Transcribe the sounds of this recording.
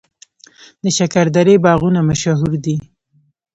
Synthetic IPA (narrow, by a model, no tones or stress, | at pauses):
d̪əʃakaɾd̪aɾebɑɣunamaʃaɦuɾd̪i